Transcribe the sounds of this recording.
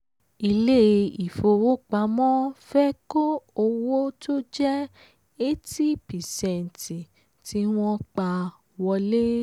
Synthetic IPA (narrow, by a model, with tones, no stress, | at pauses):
i˧le˦i˨fo˧wo˦k͡pa˨˧˦mɔ̃˦fɛ˦ko˦o˧wo˦to˦d͡ʒɛ˦ | e˦ti˦pi˨sɛ˨n˨ti˨ | ti˧˦w̃ɔ̃˦k͡pa˧ | wɔ˧le˦